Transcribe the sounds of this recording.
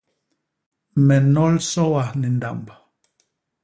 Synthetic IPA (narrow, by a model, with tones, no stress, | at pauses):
me˨no˦lso˦wahni˨nd̪a˨mb